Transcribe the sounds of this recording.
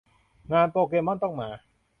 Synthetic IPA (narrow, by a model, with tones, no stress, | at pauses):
ŋaː˧np̪oː˧k̬eː˧ma˥˩nt̪ɔ˥˩ŋmaː˧˩